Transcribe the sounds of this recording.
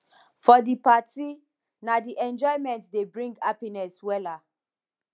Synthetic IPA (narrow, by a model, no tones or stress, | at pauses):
fɔdipati | nadiʔɛ̃nd͡ʒɔɪmɛ̃ntdebɹĩŋɡapinɛswɛla